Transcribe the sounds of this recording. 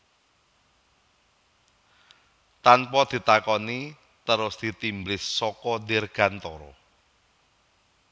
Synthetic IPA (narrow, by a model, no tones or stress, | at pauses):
t̪anpɔd̪̥i̤t̪akɔni | t̪əɾʊsd̪̥i̤t̪imblɪsːɔkɔnɪrɡ̥a̤nt̪ɔɾɔ̰